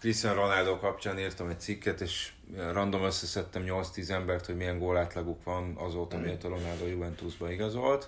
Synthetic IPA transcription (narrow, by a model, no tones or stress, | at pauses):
krist̪ɛnro̞nald̪oːkɒpt͡ʃaːniːrt̪ɒmɛc̚t̪sikːɛt̪eːʃ | rɒnd̪o̞møsːɛsɛt̪ːɛmɲo̞lt̪st̪iːzɛmbɛrt̪hoɟmijɛŋɡoːlaːt̪lɒɡukʋɒnɒzoːt̪ɒmijɛt̪ɒɾo̞nald̪oːjuvɛnt̪uzbɒiɡɒzo̞lt̪